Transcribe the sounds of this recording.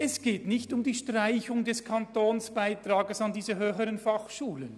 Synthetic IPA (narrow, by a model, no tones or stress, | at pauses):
ɛsɡ̥eːtnɪçtʊmdiːʃtʁaɪçʊŋdɛskʰɑntoːnsb̥aɪtraːɡəsɑndiːzəɦøːçəɾənfɑχʃuːlən